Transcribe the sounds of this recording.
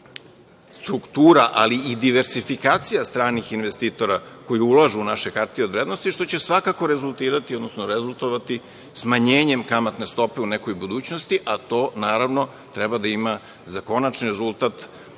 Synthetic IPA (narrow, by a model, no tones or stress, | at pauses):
st̪ɾukt̪uːɾaʔaliid̪iʋe̞ɾsifikaːt̪sijast̪ɾaːnixinʋest̪iːt̪o̞ɾako̞jiulˠaʒuunaʃekaɾt̪iod̪ʋɾed̪no̞st̪iʃt̪o̞t͡ɕe̞sʋakako̞ɾezulˠt̪iːɾat̪iod̪nosnoɾezulˠt̪o̞ʋat̪i | smaɲeːɲe̞mkamat̪ne̞st̪o̞pe̞uneko̞jbud̪uːt͡ɕnost̪iʔat̪o̞ːnaːɾaʋno̞ | t̪ɾɛbad̪aima | zako̞nat͡ʃniɾezulˠt̪at̪